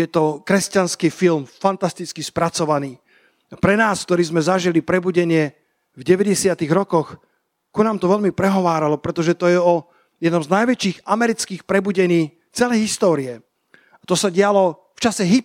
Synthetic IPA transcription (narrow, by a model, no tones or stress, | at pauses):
jɛt̪ɔkɾɛscanskiːfilmfant̪ast̪it͡skispɾat͡sɔʋaniː | apɾɛnaːskt̪ɔɾiːzmɛzaʒilipɾɛbuɟɛɲɪɛ | vɟɛʋɛɟɛsɪat̪iːɣɾɔkɔx | kunaːmt̪ɔʋɛʎmipɾɛɦɔʋaːɾalɔpɾɛt̪ɔʒɛt̪ɔjɛɔ | jɛd̪nɔmznajʋɛt͡ʃiːɣamɛɾit͡skiːxpɾɛbuɟɛɲiː | t͡sɛlɛjɦist̪ɔːɾiɛ | at̪ɔsaɟɪalɔ | ft͡ʃasɛɦi